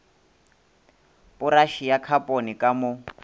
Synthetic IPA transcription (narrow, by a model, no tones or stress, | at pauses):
pʊraʃijakʰapʼonikʼamʊ